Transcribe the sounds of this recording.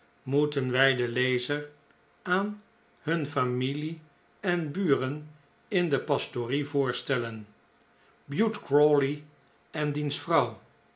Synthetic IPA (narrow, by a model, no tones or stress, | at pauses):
mutənʋɛjdəlejzəɹ | aːn | hɵnfamili | ɛnbyːrən | ɪndəpɑstorivʊːɹstɛlən | bjutkɹɔli | ɛndinsfrɑw